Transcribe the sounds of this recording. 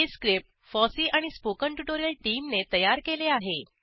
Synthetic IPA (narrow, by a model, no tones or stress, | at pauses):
eskɾip̚ʈ | fɔsiːʔaɽ̃ispokəɳʈuʈoɾijəlʈiːmnet̪əjaɾkeleaɦe